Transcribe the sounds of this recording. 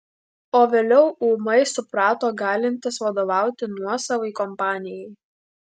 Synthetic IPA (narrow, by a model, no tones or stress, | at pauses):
oːʋʲeːlʲɛʊuːmɐɪsʊpɾɑːt̪oːɡɑːlʲɪnʲt̪ʲɪsʋɐd̪oːʋɑˑʊt̪ʲɪnuɔsɐʋɐɪkɔmpɑːnʲɪjɛɪ